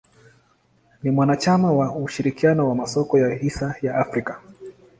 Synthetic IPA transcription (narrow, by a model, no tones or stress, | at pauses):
nimwanat͡ʃamawauʃiɾikianɔwamasɔkɔjahisajaʔafɾika